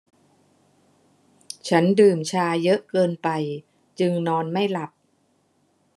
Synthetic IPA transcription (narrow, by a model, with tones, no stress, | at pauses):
t͡ɕʰa˦˥ndɯː˨˩mt͡ɕʰaː˧jɤ˦˥ʔkɤː˧npa˧j | t͡ɕɯ˧ŋnɔː˧nma˥˩jla˨˩p̚